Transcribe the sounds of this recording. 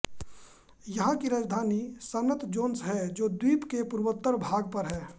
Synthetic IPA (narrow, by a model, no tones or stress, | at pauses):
jɐɦãkiɾaːd͡ʒd̪ʱaːnisənət̪ʰd͡ʒoːnsɦɛd͡ʒoːd̪wiːpkepuɾwət̪ːəɾbʱaːɡ̚pəɾɦɛː